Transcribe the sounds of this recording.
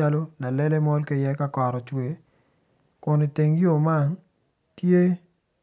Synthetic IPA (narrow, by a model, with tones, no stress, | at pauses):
a˦lo˦la˨lɛ˦le˦mɔ˦lke˦jɛ˦ka˦kɔ˨ɾɔ˨t͡ʃwe˨ | kʊ˨nɪ˨te˨ŋjo˦˨ma˦˨n | tje˦